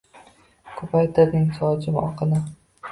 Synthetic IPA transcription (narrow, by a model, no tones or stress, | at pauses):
kʰopʰajt̪ʰɪɾnɪŋsɒt͡ʃɪmɒ̰qʰɨnɪ